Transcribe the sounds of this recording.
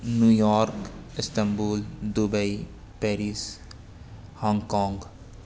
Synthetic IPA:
njujɔːɾkɪst̪ə̃mbuːld̪ubɐi | pɛːɾiːs | hɔ̃ːŋɡkɔ̃ːŋɡ

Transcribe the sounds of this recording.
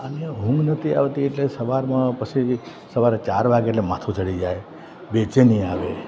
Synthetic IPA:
əneɦũŋɡnət̪ʰia̰ʋt̪ieʈlesəʋaɾmãpət͡ʃʰi | səʋaɾet͡ʃaɾʋaɡeʈlemat̪ʰũt͡ʃʰəɽid͡ʒaj | bet͡ʃenĩaʋe

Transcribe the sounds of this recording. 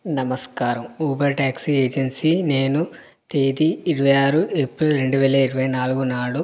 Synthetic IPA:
nɐmɐskaːɾɐmuːbɐɾʈaːksieːd͡ʒɐnsine̞ːnu | t̪eːd̪iːɾiʋɐjaːɾuʔepɾilɾe̞ɳɖuʋɛːlɐiɾuʋɐjnaːluɡunaːɭu

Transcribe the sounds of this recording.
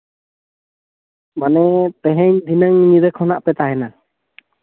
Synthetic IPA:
manɛt̪ɛɦɛɲd̪ʱinəŋɲid̪əkʰhɔnaʔpɛt̪aɦɛna

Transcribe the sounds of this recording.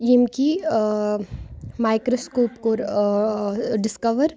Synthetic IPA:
jimki | maːɪkɾoskoːpkoːɾ | ɖɪskɐʋəɾ

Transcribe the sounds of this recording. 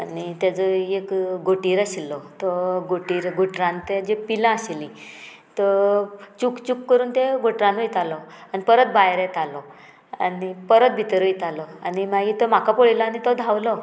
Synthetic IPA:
anit̪jad͡zɔekɡoʈiːɾasilːɔt̪ɔɡoʈiːɾɡʱoʈɾãnt̪ed͡ʑepilãəseli | t̪ɔt͡ɕukt͡ɕukːəɾuːnt̪eɡoʈɾãnojt̪alɔanipəɾət̪̚bajɾẽt̪alɔ | a̰nipəɾət̪̚bʱit̪əɾojt̪alɔanimaɡit̪ɔmakapoɭilaanit̪ɔd̪ʱawlɔ

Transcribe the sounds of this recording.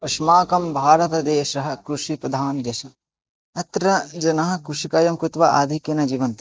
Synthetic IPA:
ɐʃmaːkɐmbʱaːɾɐt̪ɐd̪eːʃɐɦɐ̆kɾuʂipɾɐd̪ʱaːnd̪jɐʃɐ | ɐt̪ɾɐd͡ʒɐnɐɦɐ̆kɾuʃikɐjɐmkɾut̪ʋɐa̰ːd̪ʱikjɐnɐd͡ʒiːʋɐnt̪

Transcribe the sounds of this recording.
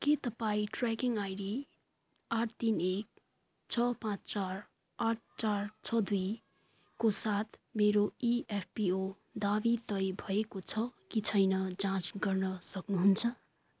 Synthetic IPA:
ket̪ʌpaĩʈrakiŋajɖi | aʈʰt̪inek̚ | t͡sʰʌpãt͡st͡sar | aʈ̚ʰt͡sart͡sʰʌd̪ui | kosat̪ʰmeɾoiepʰpio | d̪abit̪ʌjbʱʌekot͡sʰʌkit͡sʰʌjnʌd͡zãt͡sɡʌrnʌsʌknuɦunt͡sʰʌ

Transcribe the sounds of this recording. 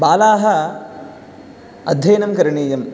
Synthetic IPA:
baːlaːɦɐ | ɐ̰d̪ʱjɐːnɐmkɐɾɐɳiːjɐm

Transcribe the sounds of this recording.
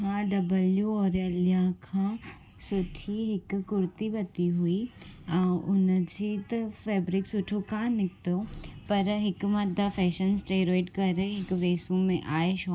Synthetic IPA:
ɦãːɖɐbəljuɔːɾɐljãkʰã | sʊʈʰiɦɪkkʊɾt̪ibɐt̪iɦʊi | ʊnəd͡ʒɪt̪fɛːbɾɪksʊʈʰokãnɪk̚t̪opɐɾɦɪkmɐd̪afʰɛːʃənsʈeːɾoːɪʈkɐɾɦɪkʋeːsũmẽʔaːeʃoː

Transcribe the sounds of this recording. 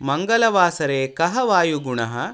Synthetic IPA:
mɐŋɡɐlɐʋaːsɐɾeːkɐɦɐʋaːjuɡuɳɐɦɐ

